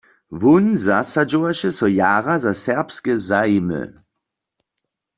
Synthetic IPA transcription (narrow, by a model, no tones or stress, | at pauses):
ʋunzasad͡ʒowaʃɛsɔjaːʁazasɛʁpskɛzaimə̰